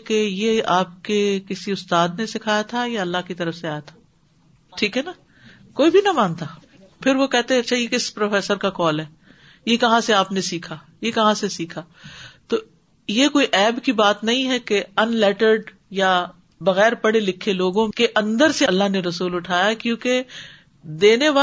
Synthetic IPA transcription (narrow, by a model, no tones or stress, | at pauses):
kejeaːp̚kekɪsiʊst̪aːd̪nesɪkʰaːjat̪ʰajaɐlːaɦkit̪ɐɾəfseaːjat̪ʰḁː | ʈʰiːkɦɛna | koːibʱinɐmaːnt̪aː | pʰɪɾʋokɛɦt̪ẽɐtːʃʰajekɪspɾoːfɛːsəɾkakɔːlɦɛː | jekɐɦãseaːpnesiːkʰaː | jekɐɦãsesiːkʰaː | t̪oː | jekoːiʔɛːbkibaːt̪nɐɦĩɦɛkeɐnlɛːʈəɾɖ | ja | bɐɣɛːɾpɐɽelɪkʰːeloːɡõkeʔɐ̃nd̪əɾseɐlːaɦneɾɐsuːlʊʈʰaːjakjõːke | d̪eːneʋaː